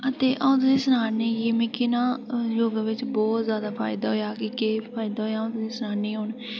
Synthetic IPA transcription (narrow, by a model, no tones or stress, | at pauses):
ət̪eːʔaũːt̪ʊsĩːsənaːneːjeːmẽːkɪnãːjoːɡaʋɪt͡ʃbɔːt̪zjaːd̪aːpʰa̰ːɪd̪aːɦoːjaːkɪkeːpʰaːjɪd̪aːɦoːjaːõːt̪ʊsĩːsənaːnĩːɦoːɳ